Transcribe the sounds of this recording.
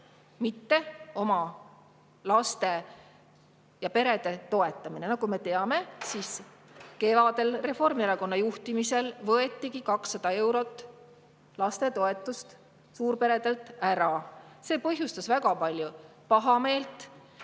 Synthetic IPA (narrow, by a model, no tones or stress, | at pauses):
mit̪ːe̞o̞mɑ | lɑst̪e̞ | jɑpe̞ɾe̞d̪̥e̞t̪o̞e̞t̪ːˑɑmine̞nɑkume̞t̪e̞ɑme̞siːske̞vɑd̪̥e̞lre̞fo̞rmieɾɑko̞nːɑjuht̪imise̞lvɤe̞t̪ːiɡikɑksːɑd̪̥ɑe̞wɾo̞t̪ːˑ | lɑst̪e̞t̪o̞e̞t̪ːˑust̪ | suːɾpe̞ɾe̞d̪e̞lt̪ːˑæɾɑse̞ːpɤɦjust̪ɑsvæɡɑpɑlʲjupɑɦɑme̞ːlt̪ˑ